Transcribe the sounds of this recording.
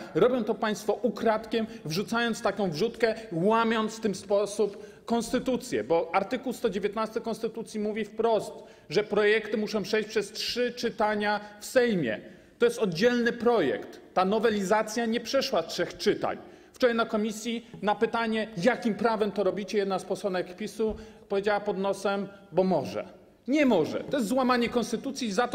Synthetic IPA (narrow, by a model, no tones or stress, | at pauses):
ɾɔbʲjɔ̃w̃t̪ɔpaj̃st̪fɔʔukɾat̪kʲɛmvʐut̪sajɔnt̪st̪akɔ̃w̃vʐut̪kɛwamʲjɔnt̪sft̪ɘmspɔsup | kɔ̃nst̪ɘt̪ut̪sʲjɛ̰bɔaɾt̪ɘkuwst̪ɔd͡ʑevʲjɛt̪nast̪ɘkɔ̃nst̪ɘt̪ut̪sʲjimuvʲifpɾɔst̪ | ʐɛpɾɔjɛkt̪ɘmuʂɔ̃pʂɛjɕt͡ɕʲpʂɛstʂɘt͡ʂɘt̪aɲafsɛjmʲjɛ̰ | t̪ɔjɛst̪ɔd̪d͡ʑɛlnɘpɾɔjɛ̰kt̪ːanɔvɛlʲizat̪sʲjaɲɛpʂɛʂwastʂɛxt͡ʂɘt̪a̰ɲ | ft͡ʂɔɾajnakɔmʲisʲjinapɘt̪aɲɛjakʲimpɾavɛmt̪ɔɾɔbʲit͡ɕɛjɛd̪naspɔsɔnɛkpʲisupɔvʲjed͡ʑawapɔd̪nɔsɛmbɔmɔʐɛ̰ | ɲɛmɔʐɛ̰t̪ɔjɛs̬t̪zwamaɲɛkɔnst̪ɘt̪ut̪sʲjizat̪